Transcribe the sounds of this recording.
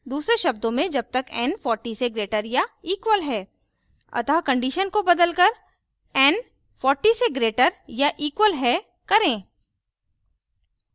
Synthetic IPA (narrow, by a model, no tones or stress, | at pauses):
d̪uːsɾeʃɐb̚d̪õmẽd͡ʒɐb̚t̪ɐkɛ̃ːnfʰɔːɾʈiseɡɾeːʈəɾjaiːkwəlɦɛː | ɐ̰t̪akɐ̃ɳɖiːʃənkobɐd̪əlkɐɾ | ɛn | fʰɔːɾʈiseɡɾeːʈəɾjaʔiːkwəlɦɛ | kɐɾẽː